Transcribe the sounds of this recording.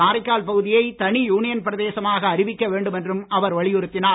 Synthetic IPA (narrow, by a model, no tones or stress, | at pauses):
aːɾɐɪkːaːlpɐɣɯðɪjɐɪt̪ɐɳijuːnɪjɐnpɪɾɐðeːsɐmaːɣɐːɾɪʋɪkːɐʋeːɳɖɯmɛndrɯmɐʋɐɾʋɐɭɪjɯɾɯt̪ːɪnaː